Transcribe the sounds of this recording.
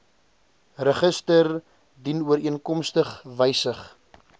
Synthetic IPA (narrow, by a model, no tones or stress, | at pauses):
rəχəstər | dinuəɾiənkɔmstəχvəjsəχ